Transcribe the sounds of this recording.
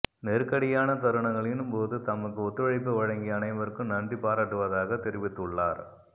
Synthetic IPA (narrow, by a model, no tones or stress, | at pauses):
nɛɾkɐɽɪjaːnɐt̪ɐɾɯɳɐŋɡɐɭɪnɯmpoːðɯt̪ɐmːɐkːɯɔt̪ːɯʋɐɻɐɪp̬ːɯʋɐɻɐŋɡɪjɐnɐɪʋɐɾkːɯmnɐnbipːaːɾaːʈːɯʋɐðaːɣɐt̪ɛɾɪʋɪt̪ːɯɭːaːɾ